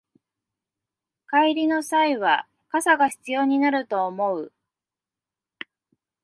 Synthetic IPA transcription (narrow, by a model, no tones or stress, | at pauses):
kaiɾʲino̞saiβa | kasaɡaçi̥t͡sɨjo̞ːɲ̟inaɾɯ̟t̪o̞ːmo̞ɯ̟